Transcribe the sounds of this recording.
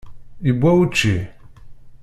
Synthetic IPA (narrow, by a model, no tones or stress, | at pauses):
ibʷawut͡ʃːi